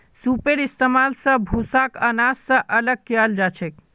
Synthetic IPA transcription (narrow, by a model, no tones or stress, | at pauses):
supeɾist̪emalsə̃bʱusakənassə̃ʔələɡ̚keald͡ʒat͡ʃʰɛk